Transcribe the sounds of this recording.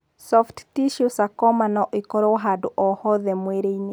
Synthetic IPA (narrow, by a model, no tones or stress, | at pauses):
sɔfttiʃjosakɔmanɔʔekɔɾɔɦadoʔɔhɔðɛmweɾeine